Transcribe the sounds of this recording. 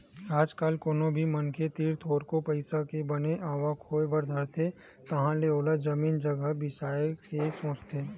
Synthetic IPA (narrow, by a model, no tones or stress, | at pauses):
aːd͡ʒkɐlkoːnõbʱimɐnket̪iːɾt̪ʰoːɾkopɐɪsakebɐneʔaːʋakʰoːebɐɾd̪ʱɐɾt̪ʰe | t̪ɐɦãleoːlad͡ʒɐmiːnd͡ʒɐɡəɦbɪsaːjekesõːt͡ʃt̪ʰeː